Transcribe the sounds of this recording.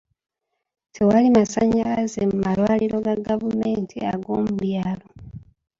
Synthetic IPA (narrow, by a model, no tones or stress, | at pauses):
tʰe̞walimasaɲalazemumalwaːliɾo̞ɡaɡavume̞ːntʰia̰ɡo̞̰ːmuɾjaːlo̞